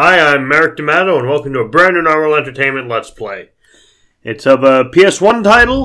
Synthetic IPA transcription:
aɪãɪ̃mːɛɹɨk̚d̥ɨmæɾoʊə̃nwɛlˠkm̩tɨəbɹæ̃ndɨ̃nal̩ˠɛ̃ntə˞tʰẽɪ̃nmɨ̃nʔlətspʰl̥eɪ | ʔɨtsʌvəpʰiɛswʌ̃ntʰaɪɾl̩ˠ

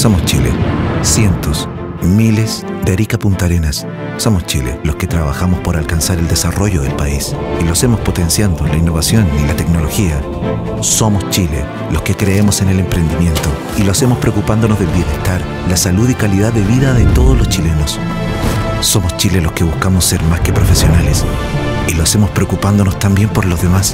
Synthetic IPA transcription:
so̞most͡ʃḭlḛsje̞nt̪os | miles | d̪eaɾikapunt̪aɾenasː | o̞most͡ʃḭlḛlosket̪ɾaβaxamospoɾalkansaɾeld̪esaro̞ʝoðelpaisilose̞mospo̞t̪ensjand̪olainːo̞βasjo̞nilat̪ekno̞lo̞xia | so̞most͡ʃilḛ | loskekɾeemo̞se̞ne̞le̞mpɾe̞nd̪imje̞nt̪o | iloasemospɾeokupand̪o̞nozðe̞lβje̞ne̞hst̪aɾ | lasaluðikaliðaðeβiðaðet̪o̞ð̞ozlo̞st͡ʃile̞nos | so̞most͡ʃilelo̞skeβuskamoseɾmaske̞pɾo̞fesjo̞nales | iloase̞mo̞spɾeokupand̪o̞nost̪ambje̞mpo̞ɾlo̞zðemas

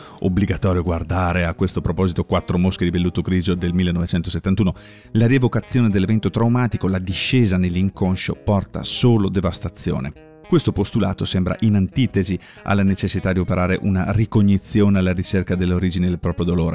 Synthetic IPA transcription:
obliɡat̪ɔːɾjoɡward̪aːɾeakwest̪opɾopɔːzit̪okwat̪ːɾomosked̪ivelːut̪oɡɾiːd͡ʒod̪elmilːenːɔvet͡ʃɛnt̪oset̪ːant̪uːno | laɾievokat̪sːjoːned̪elːevɛnt̪ot̪ɾawmaːt̪ikolad̪iʃːeːzanelːiŋkonʃo̰pɔrt̪a̰soːlod̪evast̪at̪sːjo̰ːnḛ | kwest̪opost̪ula̰ːt̪osɛmbɾa̰ʔinant̪iːt̪ezi | a̰lːanet͡ʃesːit̪ad̪iopeɾʔaːɾeʔunarikoɲːit̪sːjoːnealːaɾit͡ʃerkad̪elːoɾiːd͡ʒined̪elpɾɔːpɾjod̪oloːɾḛ

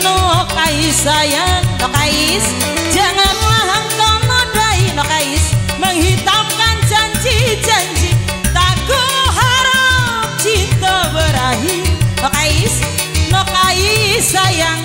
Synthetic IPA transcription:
nokaisajaŋnɔkais | d͡ʒaŋanlaɦaŋt̪ɔŋɔnraɦinɔkaisməŋhit̪amkant͡ʃant͡ʃit͡ʃant͡ʃi | t̪aɡoɦaɾap̚t͡ʃit̪ɔbəɾaɦinɔkaɪs | nɔkaisajaŋ

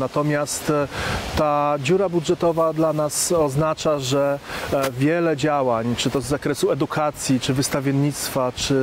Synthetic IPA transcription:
nat̪ɔmʲjast̪ː | ad͡ʑuɾabudʐɛt̪ɔvad̪lanasɔznat͡ʂaʐɛvʲjɛlɛd͡ʑawaɲt͡ʂɘt̪ɔzːakɾɛsuɛd̪ukʰat̪sʲjit͡ʂɘvɘst̪avʲjɛnɲːit̪st̪fat͡ʂɘ

